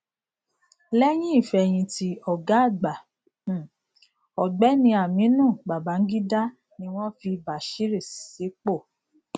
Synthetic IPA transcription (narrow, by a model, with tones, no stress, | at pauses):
lɛ˦j̃ĩ˦i˦˨fɛ˧˨j̃ĩ˧ti˧ɔ˨ɡa˨˦˨ɡ͡ba˨ | ɔ˨ɡ͡bɛ˨˦nĩ˧˦a˨mĩ˨˦nũ˦˨ɡ͡ba˨ba˨˦ŋ̩˦ɡi˦da˦ | nĩ˧w̃ɔ̃˦fi˧ba˨ʃi˦ɾi˦˨se˨˦k͡po˦˨